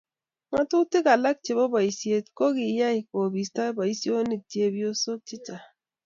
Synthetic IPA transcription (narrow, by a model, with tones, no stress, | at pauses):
ŋa˦tu˦ti˦ka˨la˦k̚t͡ʃe˨βo˦ba˨i˨si˨˦e˦tko˦ɣi˨˦ja˦i˨ko˨bi˨sta˦ba˨i˦si˦o˦ni˦˨ti˦e˦bi˦o˦so˦k̚t͡ʃi˦t͡ʃa˨